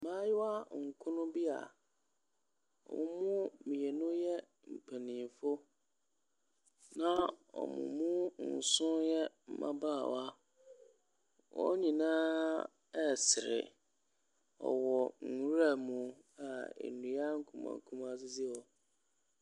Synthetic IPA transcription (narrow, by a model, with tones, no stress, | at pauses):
mã˦jɪ˦wa˦ŋ̩˨kʰʊ̃˦nʊ̃˦bi˦a̰˨ | ɔ̰˨mʊ̃˦mʊ̃˦mĩ˨e˨nʊ̃˦jɛ˦ | m̩˨pʰa˨nĩ˨m˨fʊ˦ | nã˦ɔ̰˨mʊ̰̃˨mʊ̃˦n̩˨sʊ̃˦jɛ˦m̩˨mã̰˦ba˦˨wa˦ | wɔ̰˦ɲĩ˨nãː˦ | ɛ˦sɪ˨ɾɪ̰˨ | ɔ̰˨wɔ˨ŋ̩˨˦ɾa˦˨mũ˨ | a˨ḛ˨nũ˨a˦ŋ̩˦kʰũ˨mã̰˨kʰũ˦mã˨s̬ɪ˦d͡zɪ˦ɔ˨